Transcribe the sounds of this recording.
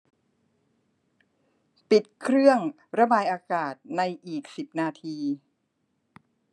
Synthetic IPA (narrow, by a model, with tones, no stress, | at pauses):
pi˨˩t̪̚kʰɾɯ˥˩əŋ | ɾa˧baː˧jʔaː˧kaː˨˩t̪̚na˧jʔiː˨˩k̚si˨˩p̚naː˧t̪ʰiː˧